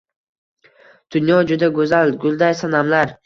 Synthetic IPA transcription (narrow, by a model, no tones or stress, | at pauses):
d̪̥ʊnjɒd͡ʒʊd̪aɡɵzalɡʊlˠd̪ajsanamlaɾ